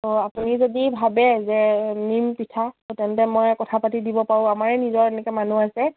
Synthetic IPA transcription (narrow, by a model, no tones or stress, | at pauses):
toapunizodibʱabɛzɛnimpitʰatɛntɛmɔjkɔtʰapatidibɔpaɹũamaɹɛnizɔɹɛnɛkɛmanuasɛ